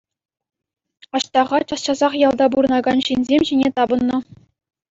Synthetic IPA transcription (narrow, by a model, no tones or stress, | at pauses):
ɑɕt̪ɑʁɑt͡ɕɑsɕɑzɑχjɑlˠd̪ɑbuɾɤ̆nɑɡɑnɕinʲzʲemʲʑinʲet̪ɑbɤ̆nːɤ̆